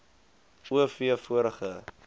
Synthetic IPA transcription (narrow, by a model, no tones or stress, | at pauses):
uəfiəfuəɾəχə